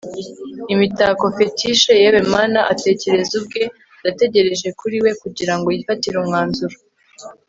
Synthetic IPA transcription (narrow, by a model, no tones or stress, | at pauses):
imitako̞fe̞tiʃejeβe̞maːnaʔate̞ce̞ɾe̞zub̚ɡe̞ | date̞ɟe̞ɾe̞ʒe̞kuɾiwe̞kuɟiɾaŋɡo̞jifatiɾumŋaːnzuɾa